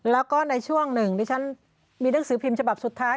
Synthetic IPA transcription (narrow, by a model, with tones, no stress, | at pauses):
lɛː˦˥wkɔː˥˩na˧jt͡ɕʰu˥˩əŋnɯ˨˩ŋdaː˧˥˩t͡ɕʰa˦˥n | miː˧na˦˥ŋsɯː˩˦pʰi˧mt͡ɕʰa˧ba˨˩p̚su˨˩t̪ʰːaː˦˥